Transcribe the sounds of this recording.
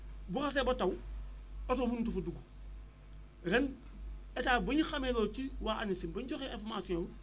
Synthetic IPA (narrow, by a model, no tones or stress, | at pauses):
buxas̬ebotaw | otobunt̬ufuduɡu | ɾen | etaboɲixamelot͡ʃiwaʔanisimboɲd͡ʒoxeḛɱfomasiõu